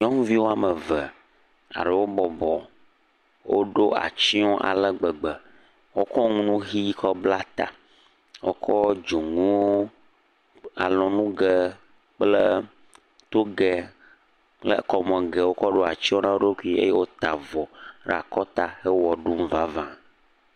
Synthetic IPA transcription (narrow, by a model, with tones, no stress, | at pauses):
ɲɔ̃˦ŋũ˦vi˦wo˦a˨mə˨və˨ | a̰˨ɖə˨wo˦bɔ˨bɔ˨ | wʔo̰˦ɖo˦ʔa̰˨t͡ɕi˦o˦ʔa̰˨lə˦ɡ͡bə˨ɡ͡bə˨ | wo˦kɔ˦ŋũ˦nũ˦ɣi˦kʰɔ˦bla˦t̪a̰˨ | wo̰˦kʰɔ˦d͡ʒo˨ŋũ˦wo˦ | a̰˨lɔ̃˨nũ˦ɡə˦ | k͡plə˦ | t̪o˦ɡɛ˨ | lə̰˦kɔ˨mɛ̃˨ɡɛ˨wo˦kɔ˦ɖo˦a˨t͡ɕi˦wo˦nã˦wo˦o˦kʷu˦i˦ḛ˦je˦wo˦t̪a˨vɔ˨ɖ̰a˨kɔ˦t̪a˦hə˦wɔ˨ɖu˦m̩˦va˦vã˦